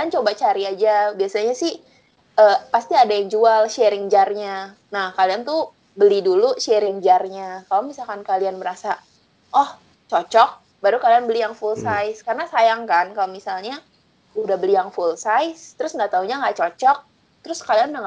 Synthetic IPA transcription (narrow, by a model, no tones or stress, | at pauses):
kaiant͡ʃobat͡ʃaɾiad͡ʒabiasaɲasɪh | ʔəpast̪iadajaŋd͡ʒualʃɛɾɪŋd͡ʒarɲa | nahkaliant̪u | bəliduluʃɛɾɪŋd͡ʒarɲakalamisalkankalianbəɾasa | ʔɔh | t͡ʃɔt͡ʃɔk̚ | baɾukalianbəlijaŋfulsajskarənasajaŋkankalomisalɲa | udahbəlijaŋfulsajst̪əɾʊsŋɡaʔt̪auɲaŋɡaʔt͡ʃɔt͡ʃɔk̚ | t̪əɾʊskalianudaŋa